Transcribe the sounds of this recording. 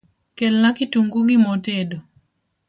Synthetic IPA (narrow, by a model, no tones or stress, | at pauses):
kelnakituŋɡuɡimotedo